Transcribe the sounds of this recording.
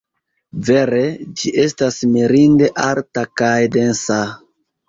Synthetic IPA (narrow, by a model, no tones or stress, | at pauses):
ve̞ɾe̞d͡ʒiʔe̞stasmiɾinde̞ʔaɾtakajde̞nsa